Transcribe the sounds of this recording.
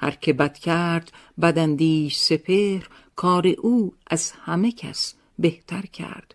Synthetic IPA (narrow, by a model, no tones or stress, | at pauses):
hæ̰ɾkʰebæd̪̥kʰæɾd̪̥ | bæd̪ænd̪iːʃsepʰehɾ | kʰɒːɾeʔuːʔæz̥hæmecʰæ̰s | beht̪ʰæɾkʰæ̰ɾd̪̥